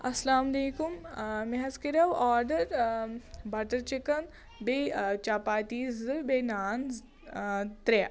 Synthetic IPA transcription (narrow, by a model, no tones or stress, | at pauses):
ɐslaːmɐleːkummeɦɐskiɾɐʋaːɾɖəɾ | bɐʈəɾt͡ʃekɐn | bet͡ʃaːpaːt̪iːzɨbeːnaːn | t̪ɾe